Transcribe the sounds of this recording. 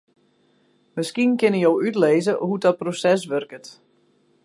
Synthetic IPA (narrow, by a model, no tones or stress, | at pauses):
məskinkɪnəjowytleːzəhudɔt̚prosɛs̬ʋørkət